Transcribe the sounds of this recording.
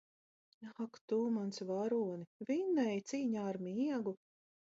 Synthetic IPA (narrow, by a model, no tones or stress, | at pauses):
kt̪uːmansvaɾuɔnivinːɛjt̪siːɲaːɾmʲiɛɡu